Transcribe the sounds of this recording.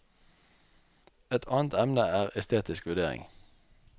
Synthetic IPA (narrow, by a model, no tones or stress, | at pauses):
ɛt̪ʰɑːnt̪ɛmnəæːʁɛst̪ʰeːt̪ɪskʋʉd̪eːʁɪ̰ŋ